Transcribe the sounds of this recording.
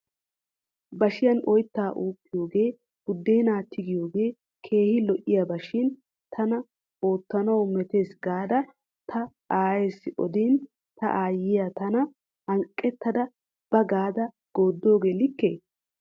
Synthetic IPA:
bɐʃɪjɐnɔjt̪ːaːʔuːkːɪjo̞ːɡe̞ː | b̥ʊd̪ːeːnaːt̪ʰːɪɡɪjo̞ːɡe̞ː | kʰe̞ːhɪlɔʔɪjabɐʃɪn | t̪ʰɐnɐ | o̞ːt̪ːɐnɐwmɛt̪e̞ːsɡaːd̪ɐ | t̪ʰɐ | aːjeːsːɪʔɔ̰d̪in | t̪ɐ̰ʔaːjɪjat̪ɐnɐ | hɐŋkʼːɛt̪ːɐd̪ɐ | b̥ɐɡaːd̪ɐ | ɡ̥oːd̪ːo̞ːɡe̞ːlɪkːḛː

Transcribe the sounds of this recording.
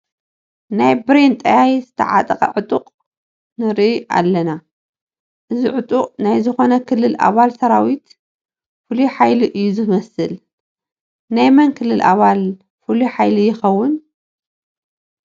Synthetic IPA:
najbɾent̪ʼajajzɨt̪ʰɐ̰ʕa̰t̪ʼɐkʼɐ̰ʕʊt̪ʼuqʼ | nɨɾʔa̰lːɐna | ʔɨziʕʊt̪ʼuqʼnajzɨxo̞nɐkʰɨlːɨlʔa̰βalsɐɾawit̪ | fɨliħajliʔɨjːuzɨmɐsɨl | najmɐnkʰɨlːɨlʔa̰βal | fɨliħajlijɪxɐwːʊn

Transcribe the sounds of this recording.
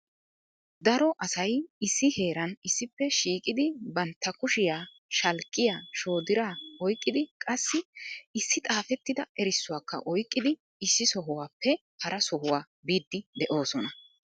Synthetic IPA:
d̪ɐɾɔʔɐsɐjɪsːɪhe̞ːɾɐnɪsːɪpːɛʃiːkʼɪd̪ɪbɐnt̪ːɐkʊʃɪjaː | ʃɐlkʼːɪjaːʃo̞ːd̪ɪɾaːɔjkʼːɪd̪ɪkʼɐsːɪɪsːɪt̪ʼaːfɛt̪ːɪd̪ɐɛɾɪsːʊwaːkːɐ̰ʔɔjkʼːɪd̪ɪ | ɪsːɪsɔɦʊwaːpːɛ | hɐɾɐsɔhʊwaː | biːd̪ːɪd̪ɛʔo̞ːsɔnɐ

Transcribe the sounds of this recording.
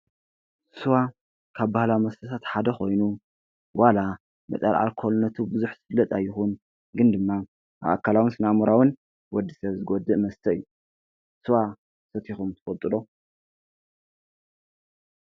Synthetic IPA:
sɨwa | kʰaβbahlamɐst̪ʰɐt̪ʰat̪ħad̪ɐxo̞jnu | wala | mɐ̰t̪ʼɐlʕa̰lkʰolnːɐt̪ʰubɨzuħz̥ɨfɨlːɐt̪ʼajːɪxun | ɡɨnd̪ɨmːa | ʔaβʔa̰kʰːalawɨnsɨnamuɾawɨn | wɔd̪ːisɐβzɨɡod̪ɨʔmɐst̪ʰɐɨ̰jːu | sɨwa | sɐt̪ʰixumt̪ʰɨ̥fɐlt̪ʼɨlo

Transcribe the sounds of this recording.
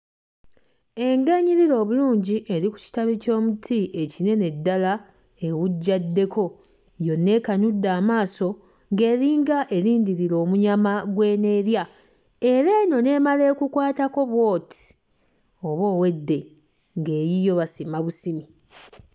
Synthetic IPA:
e̞ŋɡeɲiɾiɾo̞ːβuluːɲɟiʔe̞ɾiku̥ci̥taβico̞ːmutʰiʔe̞cine̞ne̞dːala | e̞wuɟːadːe̞kʰo̞ | jo̞nːe̞ːkaɲudːaːmaːso̞ | ŋɡe̞ːɾiːŋɡaʔe̞ɾiːndiɾiɾo̞ːmuɲamaɡwe̞ːne̞ːɾja | e̞ɾeːno̞ne̞ːmale̞ːkukwaːtako̞βwo̞ːti̥ | o̞βo̞ːwe̞dːe̞ | ŋɡe̞ːjijo̞βasimaβusimi

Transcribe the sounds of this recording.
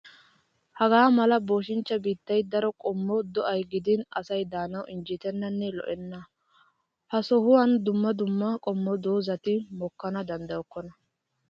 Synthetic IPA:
hɐɡaːmɐlɐbo̞ːʃ̬ɪnt͡ʃːɐbiːt̪ːɐjd̪ɐɾɔkʼɔmːɔd̪ɔʔɐjɡɪd̪ɪnɐsɐjd̪aːnɐwɪnd͡ʒɪt̪ɛnːɐnːɛlɔ̰ʔɛnːɐ | hɐsɔhʊwɐnd̪ʊmːɐd̪ʊmːɐkʼɔmːɔd̪o̞ːzɐt̪ɪmɔkːɐnɐd̪ɐnd̪ɐjɔkːɔnɐ

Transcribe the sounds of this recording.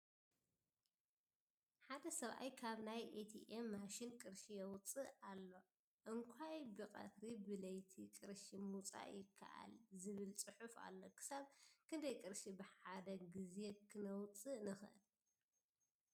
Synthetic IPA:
ħad̪ɐsɐβʔa̰jkʰaβnajʔet̪ʰiʔemːaʃinkʼɨɾʃijɛwt͡sʼːɨʔalːo̞ | ʔɨŋkʷʰajbɨqʼɐ̰t̪ɾibɨlɐjt̪ʰikʼɨɾʃimut͡sʼa̰ʔjɪkʰːa̰ʔa̰lzɨβɨlt͡sʼɨħufa̰lːo̞kʰɨ̥saβkʰɨnd̪ɐjkʼɨɾʃibɨħad̪ɐɡizekʰɨnɐwt͡sʼɨnɨxɨʔɨl

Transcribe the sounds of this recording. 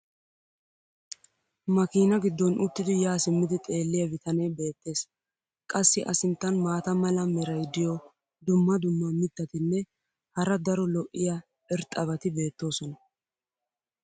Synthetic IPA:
mɐkiːnɐɡɪd̪ːɔnʔʊt̪ːɪd̪ɪjaːsɪmːɪd̪ɪt̪ʼe̞ːlːɪjɐbɪt̪ɐnɛjbe̞ːt̪ːe̞ːs | kʼɐsːɪʔɐsɪnt̪ːɐnmaːt̪ɐmɐlɐmɛɾɐjd̪ɪjɔ | d̪ʊmːɐd̪ʊmːɐmɪt̪ːɐt̪ɪnːɛ | hɐɾɐd̪ɐɾɔlɔʔːɪjɐ | ɛɾt̪ʼɐβɐt̪ɪbe̞ːt̪ːo̞ːsɔnɐ

